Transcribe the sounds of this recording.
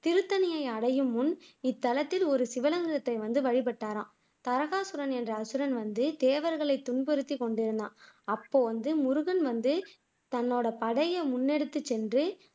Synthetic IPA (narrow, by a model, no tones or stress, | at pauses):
t̪ɪɾɯt̪ːɐnɪjɐɪɐɽɐjɯmːʊnɪt̪ːɐlɐt̪ːɪlɔɾɯsɪʋɐlɐŋɡɯɾɐt̪ːɐɪʋɐnd̪ɯʋɐɻɪpɐʈːaːɾãː | t̪ɐɾɐɣaːsɯɾɐnɛndrɐːsɯɾɐnʋɐnd̪ɯd̪eːʋɐɾɣɐɭɐɪt̪ːʊɳbɔɾɯt̪ːikɔɳɖɪɾɯnd̪ã̰ːnɐpːoːʋɐnd̪ɯmʊɾʊɣɐnʋɐnd̪ɯ | t̪ɐnːoːɽɐpɐɽɐjɐmʊnːɛɽɯt̪ːɯt͡ʃːɛndrɯ